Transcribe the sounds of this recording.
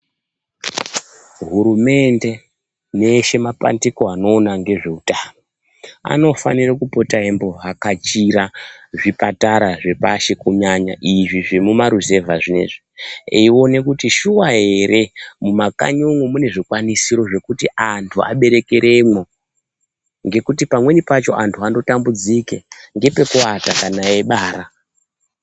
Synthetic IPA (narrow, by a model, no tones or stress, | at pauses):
ɦuɾume̞nde̞ | neʃe̞mapa̰ndikoano̞ːnaŋɡe̞ʐe̞utamo | a̰no̞fa̰nirakupo̞taembo̞ɦakat͡ʃiɾaʐipataɾaʐe̞paʃe̞kuɲaɲa̰ʔiʐiʐimumaɾuze̞vaʐine̞̰ʐiḛiwo̞ne̞kutiʃuwaɦe̞ɾe̞mumaka̰ɲuŋwumune̞ʐikwanisiɾo̞ʐe̞kutiʔantʰua̰ɓe̞ɾe̞ke̞ɾe̞mo | ŋɡe̞kutipamwe̞nipat͡ʃo̞̰ʔantʰuando̞tambud͡zikeŋɡe̞pe̞kuatakanaje̞ɓaːɾa